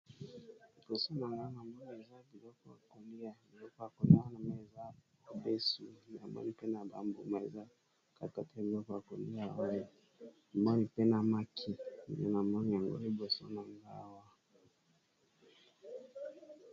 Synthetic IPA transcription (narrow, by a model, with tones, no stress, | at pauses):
bɔ˨sɔ˦na˨ŋɡa˦wa˦na˨mɔ˦ma˨za˦vi˨lɔ˦kɔ˦a̰˨kɔ˨li˦a˨vi˨lɔ˦kɔ˦a˨kɔ˨ni˦a˦na˨ma˨ɛ˨za˦ | a˨bɛ˦su˨n˨a̰˨mbɔ̰˦ni˨pɛ˦na˨ba̰˦mbu˨ma˨ɛ˨za˦ | ka˨ka˨ta˦vi˨lɔ˦kɔ˦a˨kɔ˨li˦a˨ɔ˦ɛ˨ | mɔ˦ni˨pɛ˦na˨ma˦kʰi˨ḭ˨jɔ˦na˨ma˦n˨a˨ŋɡɔ̰˦i˦bɔ˨sɔ˦na˨ŋɡa˦wa˨